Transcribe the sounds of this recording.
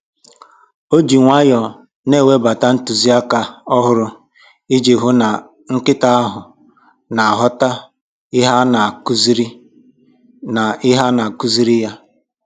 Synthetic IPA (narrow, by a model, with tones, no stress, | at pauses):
o˦d͡ʒi˨ŋʷa˦jɔ˨ | ne˦˨we˦ba˨ta˦n̩˦tu˨zi˦a˦ka˦ɔ˦ɦʊ˦ɾʊ˦ | i˦d͡ʒe˨ɦʊ˦na˨ | ŋ̩˦kɪ˦ta˦a˦ɦʊ˨ | na˨a˨ɦɔ˦ta˦ | ɪ˦ɦa˦na˨ku˦zi˦ɾi˦ | na˨ɪ˦ɦa˦na˨a˨ku˦zi˦ɾi˦ja˦